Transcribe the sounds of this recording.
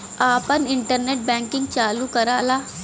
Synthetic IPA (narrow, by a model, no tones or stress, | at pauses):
apəniɳʈəɾneʈ̚bɛ̃ŋkiŋɡt͡salukəɾala